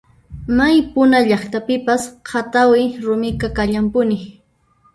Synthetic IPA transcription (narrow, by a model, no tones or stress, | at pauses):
majpʊnaʎaχt̪apɪpasqʰat̪awɪɾʊmɪkakaʎampʊnɪ